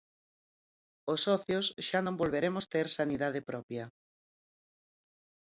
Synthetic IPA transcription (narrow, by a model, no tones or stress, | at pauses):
osːɔθjosʃanõŋbolβeɾemʊst̪eɾsaniðað̞ɪpɾɔpjɐ